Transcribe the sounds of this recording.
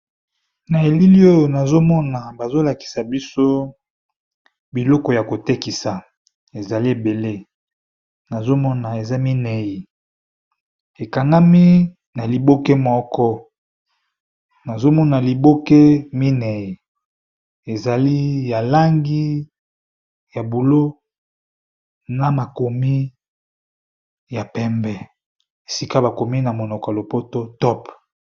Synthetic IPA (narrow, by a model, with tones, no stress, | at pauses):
na˨e˨li˦li˦o˦jo˨na˨zo˦mɔ˦na˨ba˨zo˦la˨ki̥˨sa˨bi˦so˦ | bi˨lɔ˦kɔ˨ja˨ko˨te˦ki˨sa˨ | e˨za˨li˦e˨be˨le˦ | na˨zo˦mɔ˦na˨e˨za˦mi˦nɛ˨ji˨ | e˨ka˨ŋɡa˦mi˦ | na˨li˨bo˦ke˦mɔ˦kɔ˦ | na˨zo˦mɔ˦na˨li˨bo˦ke˦mi˦nɛ˨ji˨ | e˨za˨li˦ja˨la˦ŋɡi˦ | ja˨bu˨lo˦ | na˨ma˨ko˨mi˦ | ja˨pɛ˦mbɛ˨ | e˨si˦ka˦ba˨ko˨mi˦na˨mo˨nɔ˨ka˨lo˨po˦to˦tɔ˦p